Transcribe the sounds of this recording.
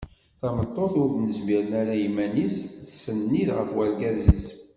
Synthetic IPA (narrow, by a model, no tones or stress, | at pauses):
θæmət̪ˤːoθʊɾðnəzmiɾənæɾæjimːænissːənːiðʁə̰fwæɾɡæzis